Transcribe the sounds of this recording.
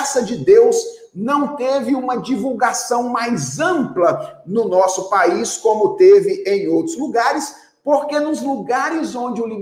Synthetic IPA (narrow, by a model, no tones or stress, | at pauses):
sɐd͡ʒɪd̪ewz | nɐ̃w̃t̪evɪũmɐd͡ʒivuwɡasɐ̃w̃majzɐ̃mplɐnʊnɔsʊpaiskõmʊt̪evɪʔẽj̃owt̪ɾʊzluɡaɾɪs | poɾkenʊzluɡaɾɪzõnd͡ʒɪʊli